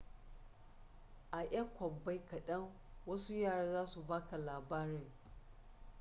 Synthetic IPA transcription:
ʔa˨ʔɐ˦ŋkʷɔ˨bːa˦jkɐ˨ɗɐ˦ŋ | wɐ˦su˦jaː˦˨ɽaː˦zaː˦su˨baː˦ka˨laː˨baː˦ɽɪ˦˨ŋ

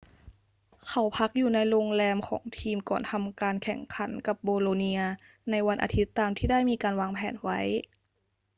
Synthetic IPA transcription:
kʰa˨˩wpʰa˧˦˥k̚juː˨˩na˧jloː˧ŋlɛː˧mkʰɔ̰ː˩˦ŋt̪ʰiː˧mkɔː˨˩nt̪ʰa˧mkaː˧nkʰɛ˨˩ŋkʰa˨˩˦nka˨˩p̚boː˧loː˧ni˧ɐ | na˧jwa˧nʔa̰˧t̪ʰi˦˥t̪ːaː˧mt̪ʰiː˥˩daː˥˩jmiː˧kaː˧nwaː˧ŋpʰɛː˨˩˦nwa˦˥j

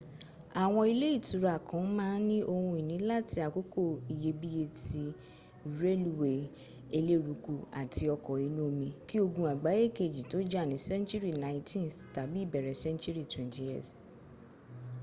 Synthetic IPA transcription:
a˨w̃ɔ̃˧i˧le˦i˦˨tu˨˦ɾa˨kʰã˨˦mãː˦nĩ˦ʔo˧hũ˧i˨nĩ˨˦la˦˨ti˧a˨ko˦ko˦˨i˨je˧bi˦je˧ti˧˨ | ɾe˦lu˦˨we˨ | e˧le˦ɾu˨˦ku˧a˨ti˧ɔ˧kɔ˨i˨˦nũ˦˧mĩ˧ki˦o˧ɡũ˧a˨ɡ͡ba˨˦je˦˨ke˦˨d͡ʒi˨to˨˦d͡ʒa˦˨nĩ˨˦sɛ̃˦nt͡ʃu˦ɾi˦˨nã˨˦ĩ˦tĩ˦nsta˨bi˦i˦˨bɛ˨ɾɛ˨sɛ̃˦nt͡ʃu˦ɾi˦˨twɛ̃˨nti˨js

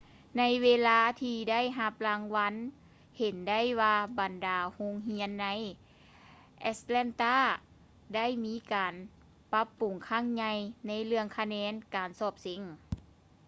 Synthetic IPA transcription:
na˧˥jweː˧laː˧t̪ʰiː˧da˥˨jɦa˧p̚laː˧ŋʋa˧˥n | he˨˦nda˥˩˨jwaː˧ba˨˩ndaː˨˩ho˧˥ŋɦi˧˥ənːa˧˥j | ʔɛ˧slɛ˧˥nt̪aː˧˥˩ | da˥˨jmiː˧˥kaː˨˩n | pa˧˦˥pːu˨˩ŋkʰaː˧˥˩ŋɲa˧jna˧˥jlɯ˧əŋkʰa˧nɛː˧˥nkaː˨nsɔː˧˩p̚se˨˦ŋ

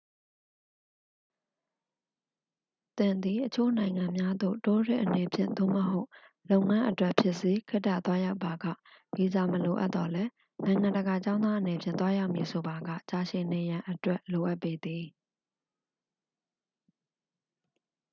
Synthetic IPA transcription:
t̪ɪ̃˨nd̪i˨ʔət͡ɕʰo̰˦˨nã˨ɪ̃ŋã˨mja˦d̪o̰˦˨to˦ɹɪ̰̃˦ʔəne˨pʰjɪ̰̃˦˨nd̪o̰˦˨məɦo˦ʊʔ | lõ˦ʊ̃ŋã˦ʔətwɛ˦ʔpʰjɪ˦ʔse˦kʰɪ˦tːa̰˦˨t̪wa˦ja˦ʊpːa˨ɡä̰˦˨ | mi˨za˨məlo˨ʔa̰˦ʔt̪ːɔ˨lɛ˦ | nã˨ɪ̃ŋã˨ndəɡa˨t͡ɕã˦ʊ̃d̪ða˦ʔəne˨pʰjɪ̃˦˨nt̪wa˦ja˦ʊʔmji˨sʰo˨ba˨ɡa̰˦˨t͡ɕa˨ʃɪ̃˨ne˨jã˨ʔətwɛ˦ʔlo˨ʔa˦ʔpːe˦d̪ði˨

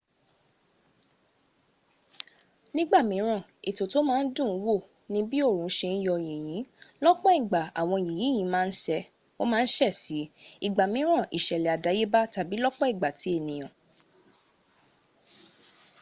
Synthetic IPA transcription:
nĩ˦ɡ͡ba˦˨mĩ˨˦ɾ̃ã˦˨e˨to˨to˦mãː˦˧˦n̩˦dũ˦˨˦wo˦˨ | nĩ˦bi˦o˦˨ɾũ˨˦ʃe˧i˦jɔ˧je˨j̃ĩ˨˦lɔ˦k͡pɔ˦i˦˨ɡ͡ba˨a˨w̃ɔ̃˧˨ji˨jĩ˨˦j̃ĩ˨˧˦mãː˦˧n̩˦ʃɛ˧ | o˦mãː˦˧n̩˦ʃɛ˦˨si˨˦i˦˨ɡ͡ba˨mĩ˨˦ɾ̃ã˦˨ʔḭ˨ʃɛ˨lɛ˨a˨da˨˦je˦ba˦ta˨bi˨˦lɔ˦k͡pɔ˦i˦˨ɡ͡ba˨ti˨˦e˦˨nĩ˨j̃ã˨

